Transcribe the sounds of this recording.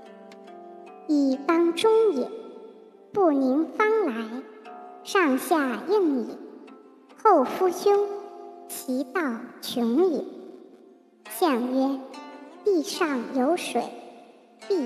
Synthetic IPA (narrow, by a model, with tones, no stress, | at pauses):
i˨˩t̪ɑ˥ŋʈ͡ʂʊ˥ŋi˨˩n | pu˥˩ni˧˥ŋfɑ˥ŋla˧˥ɪʂɑ˥˧ŋɕja˥˧i˥˩ŋḭ˨˩˦ | xo˥˩ʊfu˥t͡ɕʰjʊ˥ŋt͡ɕʰi˧˥t̪ɑ˥˩ʊt͡ɕʰʊ˧˥ŋli˨˩ | ɕjɑ˥˩ŋɥɛ˥ | i˥˧ʂɑ˥˩ŋjo˧˥ʊʂwḛ˨˩˦ɪ | ti˥˩